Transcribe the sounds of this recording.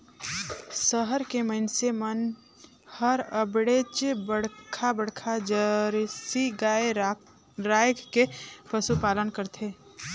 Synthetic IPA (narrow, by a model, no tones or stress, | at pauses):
səɦəɾkeməɪnsemən | həɾəbɽet͡ʃbəɽkʰabəɽkʰad͡ʒəɾsiɡaːe | ɾaːjkːepəsupaːlənkəɾt̪ʰeː